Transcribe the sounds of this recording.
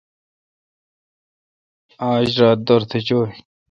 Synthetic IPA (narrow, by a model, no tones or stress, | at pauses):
aːɕɾaːt̪̚d̪ɐɾt̪ʰet͡ɕoːi